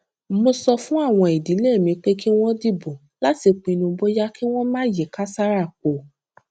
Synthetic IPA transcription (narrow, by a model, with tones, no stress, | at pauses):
mo˧sɔ˧fũ˦a˦˨w̃ɔ̃˧i˨di˨˦le˦˨mĩ˨˧k͡pe˦ki˦w̃ɔ̃˦di˦˨bõ˨ | la˦ti˨˧k͡pĩ˧nũ˧bo˦ja˦ki˦w̃ɔ̃˦mãː˦˨je˨ka˦sa˦ɾa˦˨k͡po˨